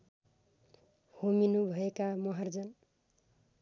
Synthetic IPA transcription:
hominubʱʌekamʌɦʌrd͡zʌn

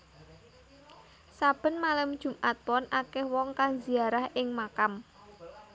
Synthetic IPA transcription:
sab̥ə̤nmalamd̥ʒ̥ṳmʔat̪̚wɔnʔakɛhwɔŋkaŋziaɾahɪŋmakam

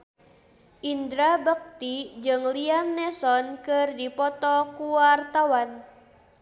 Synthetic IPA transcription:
ʔindɾabək̚t̪id͡ʒɨŋliamnɛsɔnkɨrdipɔt̪ɔkuwart̪awan

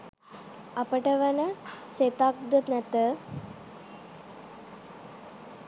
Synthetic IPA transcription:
ɐpəʈəʋɐnəset̪ak̚d̪ət̪nɛt̪ə

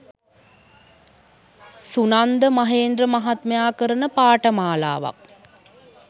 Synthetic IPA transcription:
sunand̪əmaɦeːnd̪rəmaɦat̪məjaːkəɾənəpaːʈəmaːla̰ːʋa̰k̚

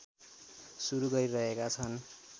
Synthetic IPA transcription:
suɾuɡʌɾirʌɦekat͡sʰʌn

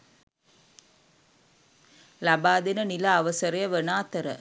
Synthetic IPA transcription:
labaːd̪enənilaːʋəsəɾɐjɐʋənaːt̪əɾə̰

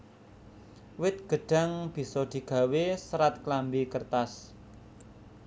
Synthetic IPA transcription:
wɪt̪̚ɡ̥ə̤ɖ̥a̤ŋb̥i̤sɔd̪̥i̤ɡ̥a̤wesəɾat̪̚klambikərt̪as

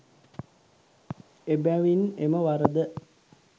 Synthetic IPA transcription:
ebæʋineməʋaɾəd̪ə

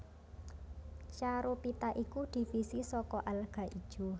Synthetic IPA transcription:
t͡ʃaɾopit̪aʔikud̪̥i̤fisisɔkɔʔalɡ̥a̤ʔid̥ʒ̥ṳ

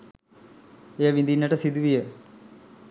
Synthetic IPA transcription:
ejəʋind̪inːəʈəsid̪uʋijə

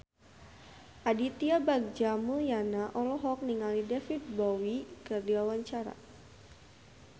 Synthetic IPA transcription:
ʔadit̪iabaɡ̚d͡ʒamuljanaʔɔlɔɦɔk̚niŋalidɛfit̪̚bowikɨrdiwawaɲt͡ʃaɾa̰

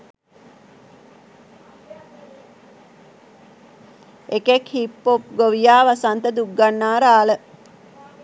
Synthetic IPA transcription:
ekekhipːop̚ɡoʋijaːʋasant̪əd̪uɡɡanːaːɾaːlə

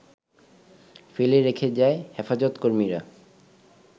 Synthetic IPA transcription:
feleɾekʰed͡ʑaehefad͡ʑot̪koɾmiɾa

